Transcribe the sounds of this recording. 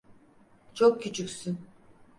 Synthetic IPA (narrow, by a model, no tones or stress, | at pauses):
t͡ʃʰokːʰyt͡ʃʰykʲsyn